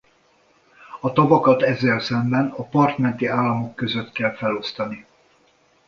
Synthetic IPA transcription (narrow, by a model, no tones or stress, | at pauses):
ɒt̪ɒvɒkɒt̪ɛzːɛlsɛmbɛnɒpɒrt̪mɛn̪t̪iaːlːɒmo̞kːø̞zøt̪kɛlfɛlo̞st̪ɒni